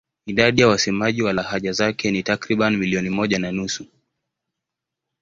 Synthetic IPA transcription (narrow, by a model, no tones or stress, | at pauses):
iɗaɗijawasɛmaʄiwalahaʄazakɛnitakɾiɓanimiliɔnimɔʄananusu